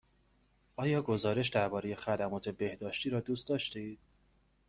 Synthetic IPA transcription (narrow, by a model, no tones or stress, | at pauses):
ʔɒːjɒːɡo̞zɒːɾe̞ʃ̬d̪æɾbɒːɾe̞je̞xæd̪æmɒːt̪ʰe̞be̞hd̪ɒːʃt̪iːɾɒːd̪uːst̪d̪ɒːʃt̪eiːd̪̥̚